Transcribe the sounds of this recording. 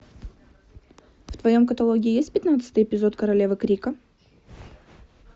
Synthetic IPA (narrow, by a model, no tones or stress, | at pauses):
ft̪vɐjo̞mkət̪ɐlˠoɡʲɪːjesʲt̚ʲpʲɪt̪nat̪sɨ̥t̪əjɪpʲɪzo̞t̪kəɾɐlʲevəkɾʲikə